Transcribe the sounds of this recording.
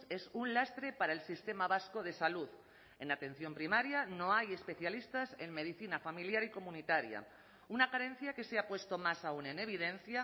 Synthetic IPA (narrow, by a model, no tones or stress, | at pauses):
esunlast̪ɾe̞paɾaelsist̪e̞maβaskoðe̞saluð | e̞nat̪ẽ̞n̟θjo̞mpɾimaɾjanõajespe̞θjalist̪ase̞ŋme̞ð̞iθinafamiljaɾiko̞mũnit̪aɾja̰ | unakaɾe̞n̟θjake̞seapwe̞st̪omasaunẽneβ̞iðẽn̟θja